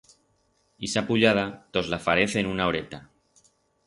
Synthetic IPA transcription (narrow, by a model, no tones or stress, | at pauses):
isapuʎað̞at̪ozlafaɾeθenunaoɾet̪a